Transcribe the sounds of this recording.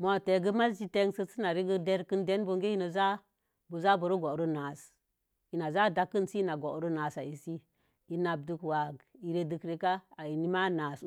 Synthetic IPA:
mo˨te˨ɡə˦ma˦sd͡ʒi˦te˦ŋsə˦si˦na˨ɾi˦ɡə˦de˦ɾkə˦nde˦nbo˦ŋɡe˦i˦nə˨za˦ | bu˨za˦bu˨ɾu˦ɡo˨ɾu˦na˨s | i˨na˨za˦da˦kːə˦nsi˦na˨ɡo˨ɾu˦na˨sa˨i˨si˦ | i˨na˨b̚du˦kwa˨ɡi˨ɾe˦dɨ˨kɾe˦ka˦a˨i˨ni˦ma˦na˨s

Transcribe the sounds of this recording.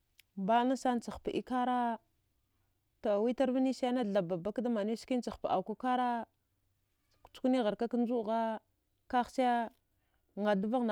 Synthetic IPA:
ba˦na˦sa˦n˦t͡sa˨xpa˨ʔḭ˦ka˦ɾa˦ | to˨wi˦ta˦ɾva˦ni˦sa˦na˦˨ɮa˨ba˨ba˦kda˦ma˨n˦i˦ski˦n˦t͡sa˨xpa˨ʔa˨ka˦ka˦ɾa˦ | kt͡ʃu̥˦kni˦ɣa˨ɾka˦ka˦n˦d͡ʒu˦˨ɣa˦ | ka˦xt͡ʃa˦ja˦ | ŋa˨du˦va˦ɣn˨

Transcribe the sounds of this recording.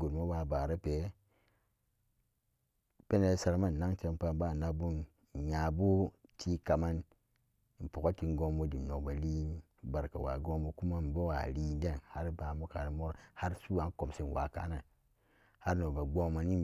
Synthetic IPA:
ɡo˨dma˦wa˨ba˨ɾa˦pe˨˦ | pe˦na˨˦sa˨ɾma˦˨nː˨a˦ŋt͡ʃe˨˦m˦pa˦ba˦˨na˨bu˦n˨ | ja˨bu˦tʰi˦ka˨ma˦n̩˨ | po˨ko˦ti˨n˦ɡo˦mbo˦di˨no˨kba˨li˦ | ba˨ɾka̰˨wa̰˨ɡo˦mbo˦ku˦ma˦m˨bo˦wa̰˨li˦de˦nha˦ɾba˨mu˦ka˨ɾi˨mo˦ɾha˦ɾsu˦a˨˦n˦ko˨msi˦˨nwa̰˨ka̰˨˦na˨ | ha˦ɾno˨ba˨ɡ͡bo˦ma˨ni˦

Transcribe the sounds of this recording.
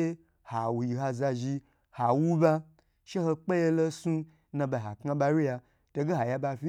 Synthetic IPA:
e˦ | ha˨wu˨ji˨ɦa˧za˧ʒi˧ | ha˨wu˦ba˧ | ʃe˦ho˧k͡pe˦je˧lo˦sũ˦ | nã˧ba˧˨ɦa˨kŋa˧ba˧ɾi˦ja˧ | to˧ɡe˦ɦa˨ja˧ba˧fʲi˦

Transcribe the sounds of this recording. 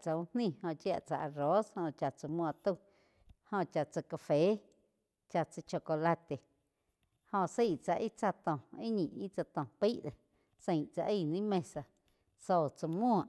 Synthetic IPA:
t͡sa˧ũ˧hnĩ˦˧˨hõ˧t͡ʃja̰˧ʔt͡sa̰˧ʔa˧ɾo˨˦shõ˧˨t͡ʃa˧t͡sə˧mũ˧˨t̪u˦˧ | hõ˧t͡ʃa˧t͡sə˧ka˧fe˨˦ | t͡ʃa˧t͡sə˧t͡ʃo˧ko˧la˧t̪e˨ | hõ˧siː˦˨ʔt͡sa˧ʔi˦t͡sa˧t̪õ˨i˦ɲĩ˨i˦t͡sa˧t̪õ˨pi˦ʔd̪e˨ | sẽ˧j̃t͡sa˧ʔi˦˧˨nĩ˦mẽ˧sa˧ | so˧˨t͡sə˧mũ˦˧a˨ʔ

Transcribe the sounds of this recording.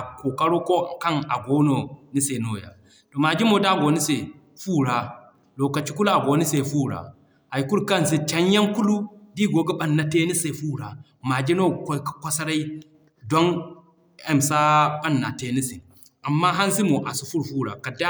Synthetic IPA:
a˨ko˨ka˦ɾo˦ko˦˨ka˦ŋa̰˨ɡo˦no˨ni˦se˨no˨ja̰˨ | to˨ma˨d͡ʒi˦mo˨da˦˨ɡo˨˦ni˦se˨ | fuː˦˨ɾa˨ | loː˨ka˨t͡ʃi˦ku˦la˨ɡo˨˦ni˦se˨fu˦˨ɾa̰˨ | a˨jku˦ɾka˦ns̬e˦t͡ʃa˨ɲ˦ja˦nku˦lu˦di˦ɡo˨˦ɡa˦ɓa˦nːa˦te˦ni˦se˨fuː˦˨ɾa˨ | ma˨d͡ʒi˦no˦ko˦kḁ˨kʷa˦sa˦ɾa˦i˦ | do˦n | e˨msa˦ɓa˦nːa̰˨te˦ni˦se˨ | a˨mːa˦ɦa˦ns̬i˦mo˨ʔa˨si˨fu˦ɾfu˦˨ɾa̰˨ka˨da˦

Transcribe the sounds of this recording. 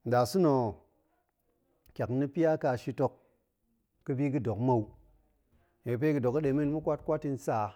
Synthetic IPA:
n̩˨da˨su˦no˨ | kʲa˨kni˧pi˦ja˦ka˧˨ʃi˧to˧kː | ɨ˧bi˦kɨ˦do˨kmo˧w | ɲe˨kpe˦kɨ˧do˨kɨ˦ɗe˨˦mi˦nmu˦kʷa˦t̚kʷa˦ti˧n˦sa˦˨

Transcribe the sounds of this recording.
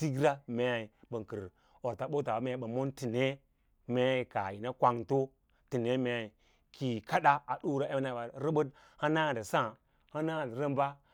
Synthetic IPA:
ti˦ɡɾa˦me˨i˨bə˨ŋ˨ki˨ɾ | o˨ɾta˨ɓo˦ta˨ba˦me˦˨˦ɓa˨mo˦nti˨ne˦ | me˦i˨ka˨ji˨na˦kʷa˨ŋto˦ | ti˨ne˦me˨i˨ | ki˨ka˦ɗa˦a˨ɗu˦ɾa˦e˦na˨ba˨ɾə˦bə˦d | ha˦na˦˨n˨da˨sã˦˨ | ha˦na˦˨ɾə˦mba˦

